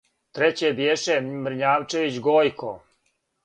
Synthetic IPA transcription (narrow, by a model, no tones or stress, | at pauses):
t̪ɾet͡ɕebjeʃemr̩ɲaːʋt͡ʃeʋit͡ɕɡoːjkʰo̰